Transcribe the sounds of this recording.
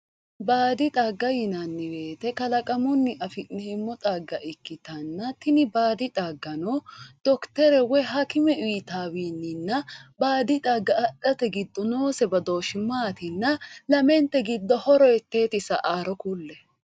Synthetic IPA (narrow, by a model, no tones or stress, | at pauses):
baːd̪ɪt̪ʼaːɡːɐjɪnɐnːɪbe̞ːt̪ɛkɐlɐkʼɐmʊnːɪʔɐfɪnɪɛmːɔt̪ʼaːɡːɐʔɪkːɪt̪ɐnːɐt̪ɪnɪbaːd̪ɪt̪ʼaɡːɐnɔd̪̥ɔkt̪ɛɾɛwɛɦɐkɪmɛʔiːt̪aːwiːnːɪnːɐbaːd̪ɪt̪ʼaɡːɐɐᶑɐt̪ɛɡɪd̪ːɔno̞ːsɛbɐd̪o̞ːʃɪmaːt̪ɪnːɐlɐmɛnt̪ːɛɡɪd̪ːɔhɔɾɔɛt̪ːe̞ːt̪ɪsɐʔaːɾɔkulːɛ